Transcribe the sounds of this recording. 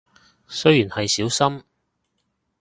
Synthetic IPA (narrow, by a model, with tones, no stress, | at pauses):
sɵ˥ɥjyː˨˩nhɐ˨jsiː˨˥wsɐ˥m